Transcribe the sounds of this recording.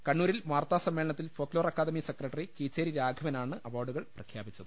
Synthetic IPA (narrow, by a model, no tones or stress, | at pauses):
kɐɳːuːɾilmaːrt̪aːsɐmːeɭɐɳɐt̪ːilfo̞ːklo̞ːrɐkːaːd̪ɐmisekrɐʈːɐrikiːt͡ɕːeːɾiɾaːɡʱɐʋɐnaːɳɨʔɐʋoːrɖuɣɐɭprɐkʰjaːbit͡ɕːɐðɨ